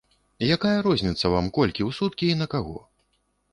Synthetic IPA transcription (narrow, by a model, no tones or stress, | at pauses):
jakajɐɾɔzʲnʲit̪sːɐva̰mkɔlʲkʲiwsut̪kʲiːnɐkaɣɔ̰